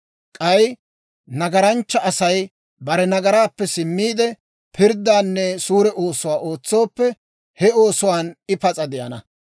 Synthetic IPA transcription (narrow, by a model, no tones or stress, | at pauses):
kʼɐj | nɐɡɐɾɐnt͡ʃːɐʔɐsɐj | bɐɾɛnɐɡɐɾaːpːɛsɪmːiːd̪ɛ | pʰɪɾd̪ːaːnːɛsuːɾɛʔo̞ːsʊwaːʔo̞ːt͡sːo̞ːpːɛ | hɛo̞ːsʊwaːnɪpɐt͡sʼɐd̪ɪjɐ̰nɐ